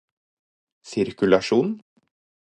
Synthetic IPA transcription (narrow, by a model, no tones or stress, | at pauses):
sɪɾkʉlɑʂuːn